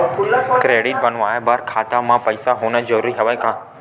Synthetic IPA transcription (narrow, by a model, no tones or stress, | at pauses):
kɾeːɽɪʈ̚bɐnũaːɦebɐɾkʰaːt̪amãpɐɪsaɦʊːnə̆d͡ʑɐɾuːɾiɦɐʋəkʰãː